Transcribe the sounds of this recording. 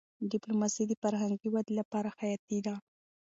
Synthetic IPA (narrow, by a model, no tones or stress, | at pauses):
ɖɪplomɑsid̪əfaɾɦaŋɡiwad̪lapɑɾaxajɑt̪id̪a